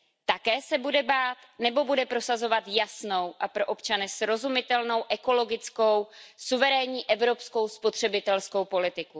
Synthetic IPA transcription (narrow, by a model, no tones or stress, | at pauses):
t̪akɛːsɛbudɛbaːt̪nɛbo̞budɛpɾo̞sazo̞vat̪jasno̞wʔapɾo̞ʔopt͡ʃanɛsɾo̞zumɪt̪ɛlno̞wʔɛko̞lo̞ɡɪt͡sko̞wsuvɛɾɛːɲiːʔɛvɾo̞psko̞wspo̞t̪r̥ɛbɪt̪ɛlsko̞wpo̞lɪt̪ɪku